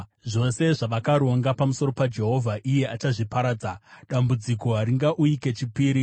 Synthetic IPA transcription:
ʐo̞se̞ʐaʋakaɾwaŋɡapamuso̞ɾo̞pad͡ʒe̞ɦo̞vʱaʔije̞at͡ʃaʐipaɾaːd͡zaɗambud͡ziko̞ɦaɾiŋɡaʔuike̞t͡ʃipiːɾi

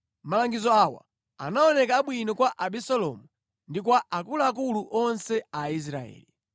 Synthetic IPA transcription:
malaŋɡizɔawa̰ | a̰naɔnɛkaːɓwinɔkwaʔaɓisɔlɔ̰mu | ndikwaʔakulaːk̬uluʔɔnsɛais̬ɾaɛ̰ːli

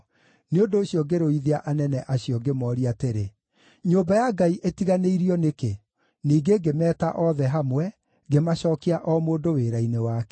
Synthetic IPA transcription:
neondoːɕiɔɡeɾoiðiaʔanɛnɛʔaɕijɔɡemɔːɾiateɾe | ɲoːbajaɡaiʔetiɣaneiɾiɔneke | niːɡeɡemɛːtaʔɔðɛɦamwɛ | ɡemaɕɔːkiaʔɔmoːndoweːɾainewakɛ̥

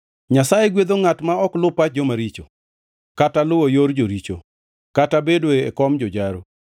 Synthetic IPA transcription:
ɲasajeɡwed̪oŋatmaɔklʊpad͡ʒomaɾit͡ʃo̰ | katalʊwojoɾd͡ʒoɾit͡ʃo̰ | katabedweɛkɔmd͡ʒɔd͡ʒaɾo

